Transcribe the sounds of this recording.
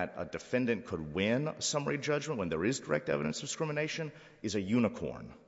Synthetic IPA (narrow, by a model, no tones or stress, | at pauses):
ɾə̰dɨfɛ̃ndɨ̃nkʰəd̚wɪ̃nsʌmə˞id͡ʒʌd͡ʒmə̃nʔwə̃nðə˞ɪzdə˞ʔɛ̰k̚tɛ̰vɨɾɨ̃nsd̥ɨskɹ̥ɪ̃mɨneɪʃɨ̃n | ɨzɨjʉnəkʰɔ̰ɹn